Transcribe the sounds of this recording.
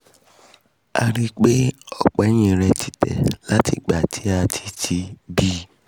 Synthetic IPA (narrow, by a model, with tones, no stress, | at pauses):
a̰˧ɾi˦k͡pe˦ɔ˨k͡pɛ˨˦j̃ĩ˧˨ɾɛ˧tʰi˦tɛ̰˨la˦ti˧˨ɡ͡ba˨tʰi˨˦a˧tʰi̥˦tʰi˧bi˦˨